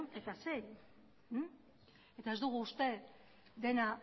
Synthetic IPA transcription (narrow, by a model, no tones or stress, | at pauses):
ne̞t̪aseɾ̩ | e̞t̪ae̞zd̪uɣ̞uːst̪e̞ | d̪e̞na